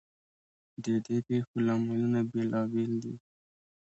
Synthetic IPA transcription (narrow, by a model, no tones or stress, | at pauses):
d̪əd̪epexolamalənabelɑbɪld̪ḭ